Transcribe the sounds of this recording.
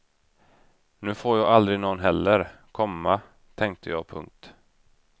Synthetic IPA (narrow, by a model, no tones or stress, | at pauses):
nʉ̟ːfoːɾjɑːald̪ɾɪnɔnːɦɛlːəɾ | kʰɔmːa | t̪ʰɛŋk̚t̪ʰəjɑːɡ̚pʰɵ̰ŋk̚t̪